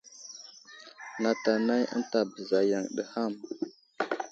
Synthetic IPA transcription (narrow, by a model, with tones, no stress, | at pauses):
na˨ta˨na˦jə̰˦nta˨bə˨za˨ja˨ŋɗə̰˨ha˦˨m